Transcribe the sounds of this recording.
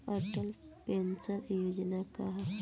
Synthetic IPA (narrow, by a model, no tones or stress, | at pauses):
ɐʈəlpensəɾjud͡ʒnakaɦa